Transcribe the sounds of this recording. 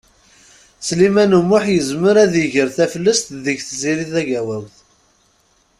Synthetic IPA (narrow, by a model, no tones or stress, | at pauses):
slimænumːʊħjəzməɾæðəʝəɾθæfəlːəst̪ðəçθziɾiθæʝæwæwθ